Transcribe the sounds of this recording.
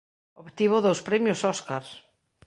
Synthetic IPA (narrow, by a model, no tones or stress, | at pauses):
opt̪iβoðowspɾɛmjosɔskaɾs